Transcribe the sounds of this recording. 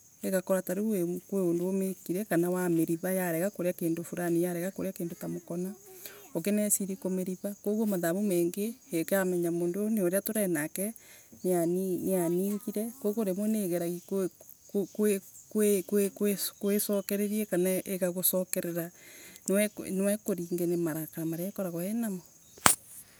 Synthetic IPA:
eɣakoɾataɾewekweondoomekiɾɛkanawameɾiβajaɾɛɣakoɾeakeːndofuɾanijaɾɛɣakoɾejakeːndotamokɔnaokenɛsiɾikomeɾiβakoɣomaðaβumɛːŋɡeekeamɛɲamoːndoneoɾeatoɾɛnakɛ | neanineaniːŋɡiɾɛkokoɾemwoneɣeɾaɣik | kekwekwekwekwesɔkɛɾeɾiɛkanaʔeɣaɣosɔkɛɾeɾanewɛnewɛkoɾiːŋɡenemaɾakanamaɾeakɔɾaɣɔɛnamo

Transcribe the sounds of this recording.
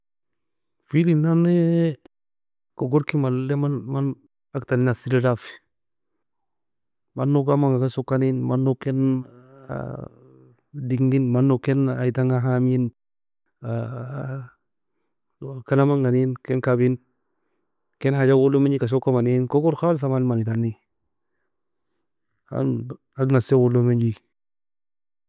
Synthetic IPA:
filinane | koɡoɾkimalːemaman | aktaninasiɾidafi̥ | manːokamaŋɡakasokaninmanːoken̰ | diŋninmanːokenajtaŋaɦamin | a | kanamaŋɡaninkɛnkabin | kenhad͡ʒawulːomd͡ʒikas̬okːamaninkokuɾkals̬amanmanitanːi | a̰ | aɡnasewulːomeɲd͡ʒi

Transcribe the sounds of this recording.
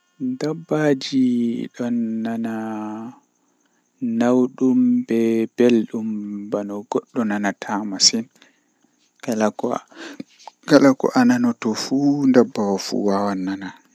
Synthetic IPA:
ndabːad͡ʒiɗɔnːana | nawɗumbɛb̥elɗumbanɔɡɔɗːɔnanatʰamasin | kalakɔ̰ | ɡalakɔ̰ʔananɔtɔfundabːawafṵwawanːana

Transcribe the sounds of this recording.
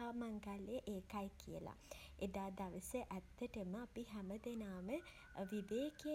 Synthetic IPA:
aːmaŋɡalejəʔeːkajkijə̰la̰ʔed̪aːd̪aʋəsəʔæt̪ːəʈəməapiɦæməd̪enaːmə | ʋibeːke

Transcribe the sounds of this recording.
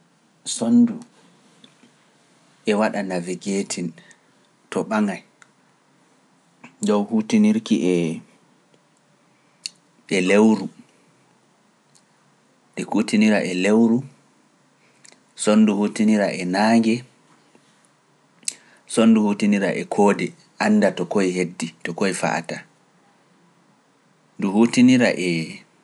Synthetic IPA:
sondu | ʔɛwaɗanaviɡeːtʰin | tʰɔɓaŋaj | d͡ʒɔwhuːtiniɾkiʔɛ | ɛlewɾu | dɛhuːtiniɾaʔɛlewɾu | sonːduhutiniɾaʔɛnaːŋɡɛ | sɔnːduhuːtiniɾaʔɛkʰɔːdɛ | ʔanːdatɔkojhedːitɔkojfa̰ʔa̰ta | nduhuːtiniɾa̰ʔɛ

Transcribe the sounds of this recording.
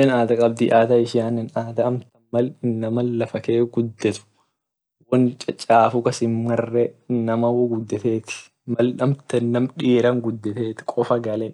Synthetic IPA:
ɛnaːd̪ɐkʼɐb̚d̪iːʔaːt̪ɐɪʃɪjaːnɛnaːt̪ɐɐmt̪ɐmɐlɪnːɐmɐlːɐfɐkeːɡʊd̪ːɛt̪ʊ̥ | wɐnt͡ʃʼɐt͡ʃʼaːfʊkɐsɪmːɐrːɛnːɐmɐwɔɡʊd̪ːɛt̪eːt̪ɪ̥ | mɐlɐmt̪ɐnːɐmᶑiːɾɐŋɡʊd̪ːɛt̪eːt̪ɪ̥kʼɔfɐɡɐlɛ

